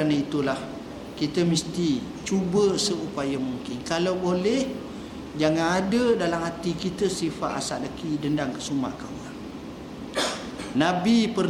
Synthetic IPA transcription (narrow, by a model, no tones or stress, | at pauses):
anait̪ulah | kit̪əmist̪i | t͡ʃubəsəupajamuŋkɪnkalawbolɛh | d͡ʒaŋanadədalamhat̪ikit̪əsifaʔ̪a̰sa̰ʔ̚lakidəndaŋkəsuma̰ʔkawan | nabipər